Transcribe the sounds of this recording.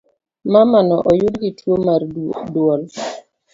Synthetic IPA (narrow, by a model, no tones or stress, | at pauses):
mamanɔʔɔjʊdɡɪtwomardwɔl